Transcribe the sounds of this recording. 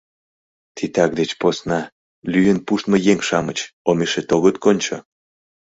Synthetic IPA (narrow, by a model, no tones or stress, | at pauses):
t̪ʰit̪ɑk̚d̪et͡ɕposnɑ | lyjənpuʃt̪məjeŋʃɑmət͡ɕomeʃet̪oɣət̪konʲt͡ɕo̰